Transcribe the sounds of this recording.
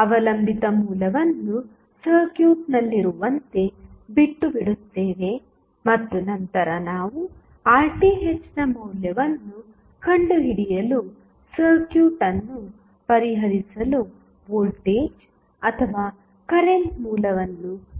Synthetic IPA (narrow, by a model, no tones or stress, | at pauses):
ɐʋɐlɐmbʱit̪ɐmuːlɐʋɐnːu | sɐɾkjuːʈnɐlːiɾuʋɐnt̪e̞biʈːubiɽut̪ːeːʋe̞ | mɐt̪ːunɐnt̪ɐɾɐnaːʋu | aːɾʈiɦet͡ʃːnɐmɐwljɐʋɐnːu | kɐɳɖuɦiɽijɐlu | sɐɾkjuːʈɐnːu | pɐɾiɦɐɾisɐlu | boːlʈeːd͡ʒ | ɐt̪ʰɐʋaː | kɐɾeɳʈmuːlɐʋɐnːu